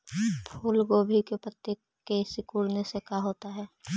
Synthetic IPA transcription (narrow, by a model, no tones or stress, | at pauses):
pʰuːlɡoːbʱikepɾət̪jek | kesɪkuːɽnesekaɦoːt̪aɦɛː